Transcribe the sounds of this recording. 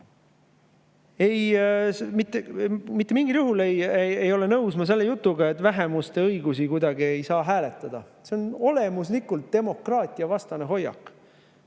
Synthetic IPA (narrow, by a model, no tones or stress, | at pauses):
e̞jsmit̪ːˑemit̪ːe̞miŋɡiljuɦule̞jeejo̞le̞nɤwsmɑs̬e̞lːejut̪ːˑuɡɑe̞t̪ːˑvæɦe̞must̪e̞ɤjɡusikujd̪̥ɑɡie̞jsɑːɦæːle̞t̪ːˑɑd̪̥ɑ | se̞ono̞le̞muslikːult̪̚d̪̥e̞mo̞krɑːt̪ʲˑiɑvɑst̪ɑne̞ɦo̞jɑ̰kːˑ